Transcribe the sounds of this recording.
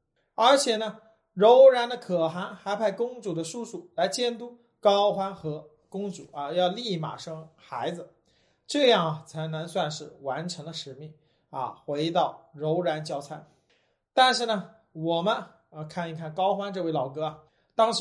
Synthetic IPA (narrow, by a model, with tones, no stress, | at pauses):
ə˞˧˥t͡ɕʰjɛ˨˩nə˩ | ɻo˧˥ʊɻa˧˥nd̪ə˧kʰɤ˨˩xa˧˥nxa˧˥ɪpʰa˥˩ɪkʊ˥ŋt͡su˨˩d̪ə˦ʂu˥˧ʂu˥˩la˧˥ɪt͡ɕjɛ˥nt̪u˥ | kɑ˥ʊxwa˥nxɤ˧˥ | kʊ˥ŋʈ͡ʂṵ˨˩˦ɐ˧jɑ˥˧ʊli˥˩ma̰˨˩ʂɤ˥ŋxa˧˥ɪd͡zɹ̩˧ | ʈ͡ʂɤ˥˧jɑ˥˩ŋɐ˩t͡sʰa˧˥ɪnə˧˥ŋswa˥˧nʂɻ̩˥˩wa˧˥nʈ͡ʂʰɤ˧˥ŋd̪ə˧ʂɻ̩˧˩mi˥˩ŋ | ɐ̰˧˩xwe˧˥ɪt̪ɑ˥˩ʊɻo˧˥ʊɻa˧˥nt͡ɕjɑ˥ʊt͡sʰa˥˩ɪ | t̪a˥˧nʂɻ̩˥˩nə˩ | wɔ˨˩mə˦n˧ | kʰa˥˩ni˥˩kʰa˥˩nkɑ˥ʊxwa˥nʈ͡ʂɤ˥˧we˥˩ɪlɑ˨˩ʊkɤ˥a˩ | t̪ɑ˥ŋʂ